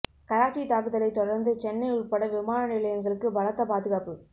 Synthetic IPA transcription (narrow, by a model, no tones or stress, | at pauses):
kɐɾaːt͡ʃːit̪aːkɯðɐlɐɪt̪ːɔɽɐɾnd̪ɯt͡ʃɛnːɐɪʊrpɐɽɐʋɪmaːnɐnɪlɐjɐŋɡɐɭɯkːɯbɐlɐt̪ːɐpaːðɯɣaːpɯ